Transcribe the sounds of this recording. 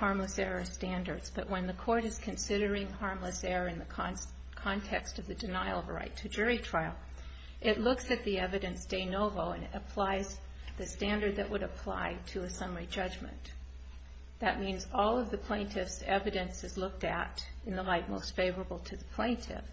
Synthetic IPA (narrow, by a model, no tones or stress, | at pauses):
hɑɹmləsɛɹəstæ̃ndə˞dz̥b̥ʌʔ̚wə̃nðɨkʰɔɹɾɨz̥kʰɨ̃nsɪɾə˞ɪ̃ŋhɑɹmləsɛɹəɨ̃nðɨkʰ | kʰɑ̃ntʰɛkstʌvðɨdɨnaɪlˠʌvəɹa̰ɪtʰɨd͡ʒʊɹitʰɹ̥aɪl̩ˠ | ʔɪtˡlʊksɨt̪̚ðiɛvɨɾɨ̃nsd̥eɪnoʊvoʊɨ̃nɾɨpʰl̥aɪz | ðɨstæ̃ndə˞d̪̚ðɨʔ̚wəɾɨpʰl̥a̰ɪɾɨɨsʌ̃mə˞id͡ʒʌd͡ʒmɨ̰̃n | ðɨt̚mĩnzɔlˠʌvðɨpʰl̥ẽɪ̃ntʰɪfsɛvɨɾɨ̃nsɨzlʊk̚tɨ̰ɾɨ̃nðəlaɪt̚moʊstfeɪvə˞əbl̩ˠtʰɨðɨpʰl̥ẽɪ̃ntʰɪ̰f